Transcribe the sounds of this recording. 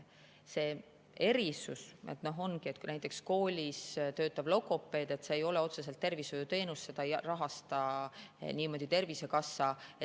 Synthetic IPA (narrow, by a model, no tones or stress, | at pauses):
se̞ː | e̞ɾisusḛt̪no̞ɦo̞nɡie̞t̪knæjt̪ːˑe̞ksko̞ːlʲist̪ø̞ːt̪ːˑɑblo̞kːˑo̞pːˑe̞ːd̪e̞t̪seːjo̞leo̞t̪se̞selt̪ːe̞rvisvojut̪e̞ːnusːe̞d̪ɑjrɑɦɑst̪ɑ | niːmo̞d̪̥ʲit̪e̞rvise̞kɑsːɑe